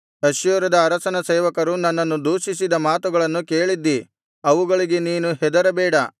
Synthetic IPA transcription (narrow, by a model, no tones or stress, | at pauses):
ɐʃjɔːɾɐd̪ɐːɾɐsɐnɐseːʋɐkɐɾunɐnːɐnːud̪uːʃisid̪ɐmaːt̪uɡɐɭɐnːuke̞ːɭid̪ːi | ɐʋuɡɐɭiɡeniːnuɦɛd̪ɐɾɐbɛːɽɐ